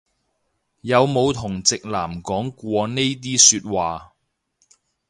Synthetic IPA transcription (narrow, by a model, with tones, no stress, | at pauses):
jɐ˨˧wmo˨˧wt̪ʰʊ˨˩ŋt͡sɪ˨k̚laː˨˩mkɔː˨˥ŋkʷɔː˧ne˥jt̪̬iː˥syː˧t̚waː˨